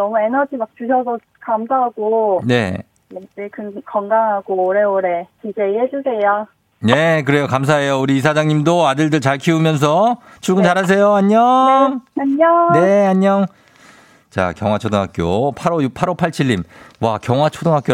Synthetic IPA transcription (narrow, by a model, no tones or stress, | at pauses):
nʌmuenʌd͡ʑimak̚t͡ɕuɕʰʌs̬ʰʌ | kamsʰaɦaɡ̥one̞̰ | eekɯkʌŋɡaŋɦaɡoːɾeoɾekid͡ʑeɦed͡ʑusʰejo | ne̞k̬ɯɾe̞jokamsʰae̞jouɾiːs̬ʰad͡ʑaŋɲimdoadɯɭdɯɭt͡ɕaɭkʰiumjʌns̬ʰʌ | t͡ɕʰuɭɡɯnt͡ɕaɾas̬ʰe̞joaɲːʌ | aɲʌne̞aɲːʌŋ | t͡ɕa̰kjʌŋɦwat͡ɕʰodoŋɦak͈jopʰaɾojupʰaɾopʰaɭt͡ɕʰiɭːimwakjʌŋɦwat͡ɕʰodoŋɦak͈jo